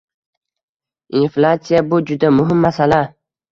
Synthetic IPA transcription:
inflat̪sijabʊd͡ʒʊd̪amʊɦɪmːasala

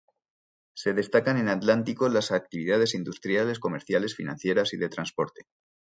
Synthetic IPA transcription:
se̞ðe̞st̪akane̞nat̪lant̪ikolasak̚t̪iβ̞iðað̞e̞sind̪ust̪ɾjale̞sko̞me̞ɾθjale̞sfinã̰n̟θje̞ɾasiðe̞t̪ɾanspo̞ɾt̪e̥

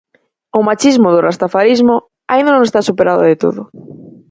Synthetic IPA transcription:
ʊmat͡ʃizmʊðʊrast̪afaɾizmʊ | aind̪anõŋest̪asupeɾaðʊ̰ðet̪o̰ðʊ

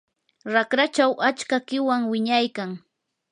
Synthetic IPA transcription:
ɾakɾat͡ʃawʔat͡ʃkakɪwaŋwɪɲajkaŋ

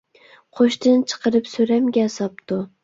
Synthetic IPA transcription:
qʰoʃt̪ɪnt͡ʃʰɨ̥qʰɨɾɪpsoɾamɡʲasɑp̚t̪ʊ

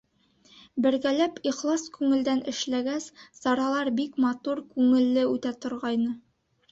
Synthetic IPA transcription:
bɘ̆ɾɡælæpiχlˠɑskʉŋɘ̆ld̪ænʔɘ̆ʃlæɡæssɑɾɑlˠɑɾbikmɑt̪uɾkʉŋɘ̆lːɘʉt̪æt̪ŏɾʁɑjnɤ

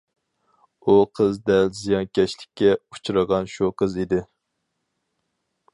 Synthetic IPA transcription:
uqʰəzd̪ɛlzijɑnkʲʰɛʃlɪkʲʰːɛu̥t͡ʃʰuɾəʁɑnʃuqʰəzid̪ɪ

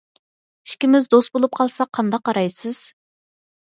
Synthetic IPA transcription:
iʃkʲimɪzd̪ost̪bolˠup̚qʰɑlˠsɑqʰɑnd̪ɑqːɑɾɑjsɨz̥

